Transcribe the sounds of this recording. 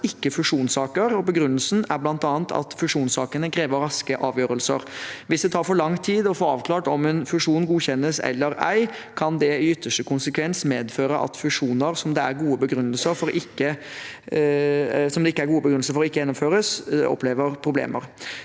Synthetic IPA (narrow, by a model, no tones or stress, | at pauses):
ɪkːəfʉʂuːnsɑːkəɾɔbəɡɾʉnːəlsnæɾblɑnt̪ɑːnt̪ʰɑ̰t̪fʉʂuːnsɑːkənəkʰɾeːʋəɾɾɑskəʔɑːʋjøːɾəlsə̰ɾʋɪsd̪ɛt̪ʰɑːɾfɔɭɑŋːt̪ʰiːd̪ɔfɔɾɑ̰ːʋkʰlɑːʈɔmɛnfʉʂuːnɡuːçɛnəsɛ̰lːəɾæ̰ɪkʰɑnd̪ɛɪʏt̪ːəʂʈəkʰʊnsəkʰʋɛnsmeːd̪føːɾəʔɑ̰t̪fʉʂuːnəɾsɔmd̪ɛæɾɡuːəbəɡɾʉnːəlsəɾfɔɾʔɪkːə | sɔmd̪ɛɪkːəæɾɡuːəbəɡɾʉn̩səɾfɔɾɔɪkːəjɛnʊmføːɾəsɔ̰pːleːʋəɾpʰɾʊblḛːmə̰ɾ